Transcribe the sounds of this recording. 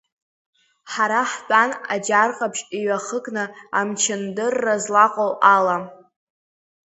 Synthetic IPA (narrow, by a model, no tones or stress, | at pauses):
ħaɾaħt͡pʼanad͡ʒarqʼapʃiɥaχəkʼnɨamt͡ʃʰɪndɨrːazlaqʼowʔala